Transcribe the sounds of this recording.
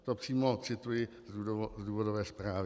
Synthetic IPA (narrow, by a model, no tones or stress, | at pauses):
t̪opr̝̥iːmot͡sɪt̪ujɪ | zudzduːvodovɛːspɾaːvɪ